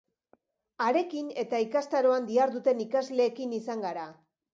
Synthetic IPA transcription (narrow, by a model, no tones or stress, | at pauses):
aɾe̞kine̞t̪aikast̪aɾo̞and̪iaɾðut̪e̞nikazle̞ːkinisaŋɡaɾa